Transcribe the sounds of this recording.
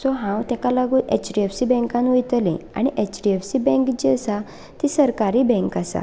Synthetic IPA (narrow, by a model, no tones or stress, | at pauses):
sɔɦãwt̪ɛkalaɡuːnʔet͡ɕɖiefsibɛ̃ŋkãnʋujt̪lḛ̃a̰ɽ̃iʔet͡ɕɖiefsibɛ̃ŋkd͡ʑiəsa | t̪isəɾkaɾiːbɛ̃ŋkasa̰